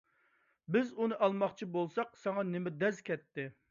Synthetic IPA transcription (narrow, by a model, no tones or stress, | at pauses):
bɪzunɨʔɑlˠmɑχt͡ʃʰibolˠsɑqsɑŋɑnɪmɛd̪ɛzkʲʰɛt̪ːɪ